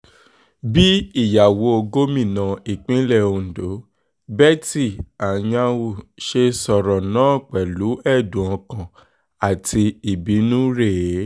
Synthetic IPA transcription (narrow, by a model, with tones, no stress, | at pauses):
bi˦i˦˨ja˨wo˨˦o˧ɡo˦mĩ˦˨nã˧i˨k͡pĩ˦lɛ˦˨o˧n̩˨do˨˦ | bɛ˦ti˦˨a˨j̃ã˧wu˨ʃe˧sɔ˨ɾɔ˨nãː˦˨k͡pɛ˨lu˨˦ɛ˦˨dũ˨ɔ̃˧kã˧˨ | a˨tʰi˧i˨bi˨˦nũ˦ɾe˦˨˦